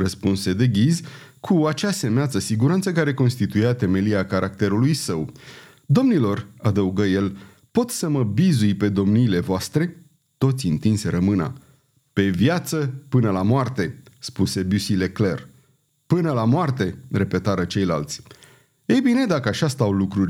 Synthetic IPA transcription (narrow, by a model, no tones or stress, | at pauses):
rəspunse̞d̪e̞ɡʲizʲkʰuat͡ʃase̞meat̪səsiɡuɾant̪səkaɾe̞ko̞nst̪it̪ujat̪e̞me̞liakaɾʔak̚t̪e̞ɾulujsəw | d̪o̞mnilo̞rad̪əuɡəje̞l | po̞t̪səməbizujpe̞d̪o̞mniːle̞voast̪ɾe̞ | t̪o̞t̪sʲint̪insʲeɾəmɨna̰ | pe̞vjat̪səpɨnəlamoart̪e̞spuse̞busile̞kle̞r | pɨnəlamoart̪e̞re̞pe̞t̪aɾət͡ʃe̞jla̰lt̪sʲ | e̞jbine̞d̪akəaʃast̪awlukɾurʲ